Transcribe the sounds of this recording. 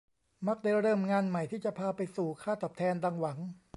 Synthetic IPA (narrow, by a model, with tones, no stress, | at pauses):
ma˦˥˩k̚da˥˩jɾɤː˥˩mŋaː˧nma˨˩jt̪ʰiː˥˩t͡ɕa˨˩pʰaː˧pa˧jsuː˨˩kʰaː˥˩t̪ɔː˨˩p̚t̪ʰɛː˧ndaː˧ŋwa˩˦ŋ